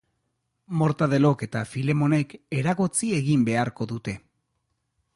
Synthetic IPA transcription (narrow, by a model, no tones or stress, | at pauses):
mo̞ɾt̪að̞e̞lo̞ke̞t̪afile̞mo̞ne̞ke̞ɾaɣot͡sie̞ɣimbe̞aɾko̞ðut̪e̞